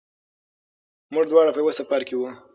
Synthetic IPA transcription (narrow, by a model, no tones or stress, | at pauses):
muʐd̪wɑɽapəjwəsafaɾkewu